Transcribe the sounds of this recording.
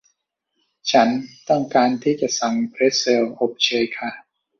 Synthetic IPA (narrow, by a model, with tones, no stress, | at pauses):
t͡ɕʰa˦˥nt̪ɔ˥˩ŋkaː˧nt̪ʰiː˥˩t͡ɕa˨˩ʔsa˨˩ŋpʰɾe˦˥t̪̚se˧wʔo˨˩p̚t͡ɕʰɤː˧jkʰa˥˩